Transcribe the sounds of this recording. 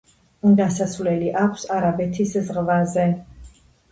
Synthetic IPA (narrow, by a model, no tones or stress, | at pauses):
ɡasasvlɛliʔakʰʷsaɾabɛt̪ʰiszʁvazɛ